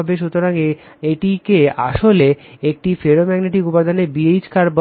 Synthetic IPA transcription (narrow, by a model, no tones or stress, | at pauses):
beʃ̬ut̪oɾaŋe | eʈikea̰ʃoleek̚ʈifeɾomɛɡneʈikupad̪ʱanebiejd͡ʑkaɾb